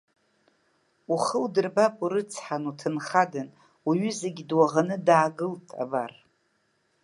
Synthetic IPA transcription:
uχəwdɨrbapʼuɾɨt͡sʰħanutʰɨnχadɨn | uɥʏzeɡʲidwaʁanɨdaːɡɨltʼa̰bar

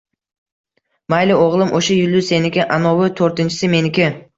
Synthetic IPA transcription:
majlioʁlˠɯmʔoʃejylʲd̪yse̞nɪkʲiʔanoβɯt̪ʰø̞ɾt̪ɪnt͡ʃɪ̥sime̞nɪkʲi

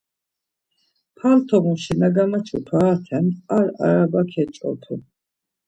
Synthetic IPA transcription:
pʰalt̪ʰɔɣuʃinaɡamat͡ʃʰut̪ʰwaːt̪ʰɛnaɾa̰ɾabakʰɛt͡ʃʼɔ̰t̪ʰu

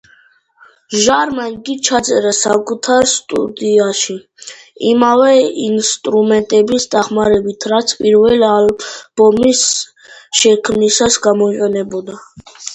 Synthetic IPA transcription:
ʒaɾmanɡit͡ʃʰat̪sʼɛɾasakʼut̪ʰaɾst̪ʼṵd̪iaʃi | imavɛinst̪ʼɾumɛnt̪ʼɛbisd̪aχmaɾɛbit̪ʰɾat̪sʰpʼiɾvɛlialb̥ɔmis | ʃɛkʰmnisasɡamɔiqʼɛnɛbɔd̪a

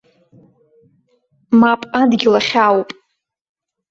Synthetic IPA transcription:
mapʼadɡʲɪlaχʲawpʼ

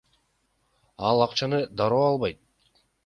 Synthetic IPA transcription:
ɑlˠɑqt͡ʃɑnɯd̪ɑɾoːɑlˠβɑjt̪̚

